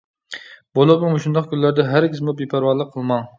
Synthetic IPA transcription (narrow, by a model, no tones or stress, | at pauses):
bolˠupmumuʃund̪ɑqkʲylːæɾd̪ɛɦæɾɡʲʰɪzmubipʰæɾwɑɾlˠəqʰːəlˠmɑŋ